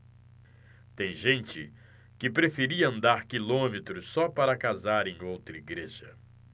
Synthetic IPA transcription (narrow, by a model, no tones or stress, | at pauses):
t̪ẽj̃ʒẽnt͡ʃɪ | kɪpɾefeɾiɐɐ̃nd̪aɾkilõmet̪ɾʊsɔpaɾɐkazaɾẽj̃owt̪ɾɐiɡɾeʒɐ̰